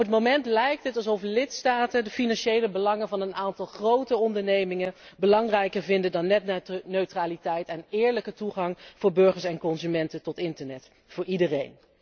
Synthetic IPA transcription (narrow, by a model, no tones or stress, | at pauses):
ɔpətmomɛntlɛjk̚tətɑlˠzɔflɪtstaːtəndəfinɑnʃejləbəlɑŋənvɑnənaːntɑlˠχrowtəɔndəɹnejmɪŋənbəlɑŋrɛjkəɹvɪndəndɑnːɛtnøɥtraːlitɛjtɛnɪːɹləkətuχɑŋv̥ʊːɹbɵɹχəɹsɛnkɔnzymɛntətɔtɪntəɹnɛt | fʊːɹidərejn